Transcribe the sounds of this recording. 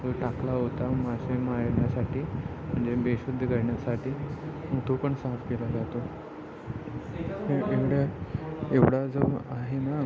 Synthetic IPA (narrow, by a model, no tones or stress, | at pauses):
t̪əʈaklaɦot̪amad͡ʑemaɾɳjasaʈʰiː | m̤əɳd͡zebeɕud̪ʱəkəɾɳjasaʈiːmuʈ̪ʰupəɳsafkelad͡zat̪o | eeʋɽa | eʋɽad͡zəaɦena